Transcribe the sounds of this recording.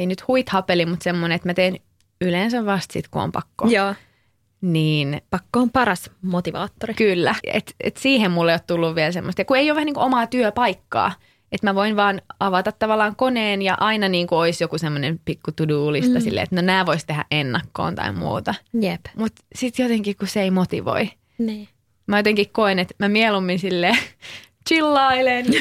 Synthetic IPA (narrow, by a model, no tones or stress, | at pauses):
einyt̪huit̪hɑpelimut̪semːoneet̪mæt̪eːn | ylensæʋʋɑst̪sḭt̪kuo̰mpɑ̰kːo̰joː | niːnpɑkːoːmpɑɾɑsmot̪iʋɑ̰ːt̪ːorikylːæḛt̪ḛt̪siːhemmulːeijot̪t̪ulːuʋʋiɛlsemːost̪jɑkueijoʋæhæniŋkoʔomɑːt̪yøpɑikːɑ̰ː | et̪mæʋoinʋɑːnɑʋɑt̪ɑt̪t̪ɑʋɑlːɑːŋkoneːnjɑʔɑinɑniːŋkuoisjokusemːonempikːut̪uduːlist̪ɑsilːḛːḛt̪nonæːʋoist̪eɦæ̰ʔʔenːɑkːo̰ːnt̪ɑ̰immṵːt̪ɑjepmut̪sit̪jot̪eŋkihkusseeimot̪ḭʋo̰i | niː | mæjot̪eŋkikkoenet̪mæmiɛlumːinsilːeː | t͡ʃilːɑilen